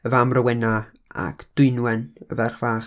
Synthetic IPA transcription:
əvamrəwɛna | a̰kʰd̥ʊɨnwɛnəvɛrχv̥aːχ

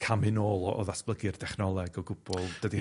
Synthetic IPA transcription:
kʰamɨnoːlˠɔʔɔ̰ðasb̥lˠəɡɨrdɛχnɔlˠɛɡɔɡʊb̥ɔlˠd̥ədi

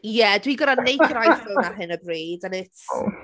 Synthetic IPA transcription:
jɛdwiɡɔɾanejkəɾajθʊmaɦɨnəbriːdanɪt

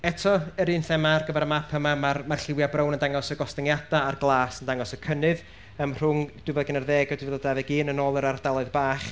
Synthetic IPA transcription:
ɛtʰɔəɾinθɛmarɡəvɛɾəmapʰəmamarmarɬɪwjabrownəndaŋɔsəɡɔstɪŋjadaːrɡlˠaːsəndaŋɔsəkʰənɨð | əmr̥ʊŋd̥wɨvɛðɡənərðeːɡɔduvɛðɔdaðɛɡiːnənoːlˠəɾardalˠʊɨðbaːχ

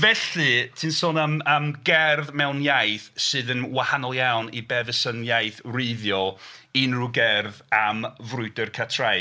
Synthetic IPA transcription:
vɛɬɨtʰɨːnsoːnəməmɡɛrðmɛwnjajθsɨːðənwahanɔlˠjawnibɛðəsənjajθreɨðjɔinruɡɛrðamvrʊɨdərkʰatʰraj

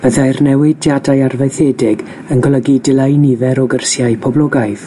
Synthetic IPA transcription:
b̥əðajrnɛwɪdjadajarvejθedɪɡ | ənɡɔlˠəɡidɪlˠejnivɛɾɔɡərsjaɨpʰɔblˠɔɡajθ

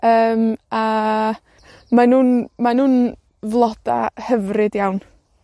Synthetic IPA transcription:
əːma | manuːnmanuːn | vlˠɔd̥a̰həvrɨdjawn

